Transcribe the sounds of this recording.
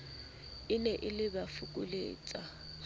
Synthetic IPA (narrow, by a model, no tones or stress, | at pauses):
ɪnɛʔɪlɪbafukʼʊlḛːt͡sʼa